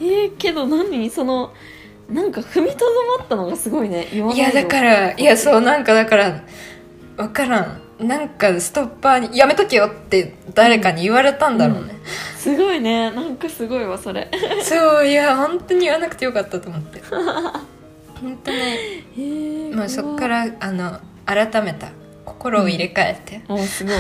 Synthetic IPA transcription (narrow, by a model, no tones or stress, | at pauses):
eːke̞d̪o̞nãɲ̟ːiso̞no̞ | nãŋkaɸɯ̟mʲit̪od̪omat̪ːano̞ɡasɨɡo̞ineʔiβaniad̪akaɾaijaso̞ːnãŋkad̪akaɾa | βakaɾãŋ | nãŋkasɨ̥t̪o̞pːaːɲ̟ijame̞t̪okejot̪ːe̞d̪̥aɾe̞kaɲ̟iːβaɾe̞t̪ãnd̪aɾo̞̰ːne̞sɨɡoinenãŋkasɨɡo̞iβaso̞ɾeso̞ːjahõ̞nt̪oɲ̟iːβanakɯ̟̥ejo̞kat̪ːat̪oːmo̞t̪ːe̞ | hõ̞nt̪o̞ɲi | maːso̞kːaɾaːno̞ | aɾat̪ame̞t̪a̰ | ko̞̥ko̞ɾo̞ːiɾe̞kae̞̰t̪ːe̞sɨɡo